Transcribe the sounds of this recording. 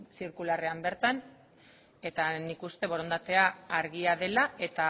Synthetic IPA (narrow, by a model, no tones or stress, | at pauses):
siɾkulare̞ambe̞ɾt̪an | e̞t̪anikust̪e̞βo̞ɾo̞nd̪at̪e̞aːɾɣiaðe̞laʔe̞t̪a